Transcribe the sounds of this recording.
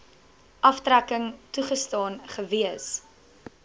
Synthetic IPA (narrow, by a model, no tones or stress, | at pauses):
ʔɐftrækəŋtuχəstɑːnχəviəs